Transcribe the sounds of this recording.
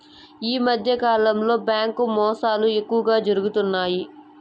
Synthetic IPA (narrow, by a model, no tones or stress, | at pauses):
jiːməd̪ʱjekaːɾləmloːbɛ̃ːkːoːmɔ̃ːsaːlũːjəkːũːɡaːd͡ʒʊɾɡət̪ʊnːaːiː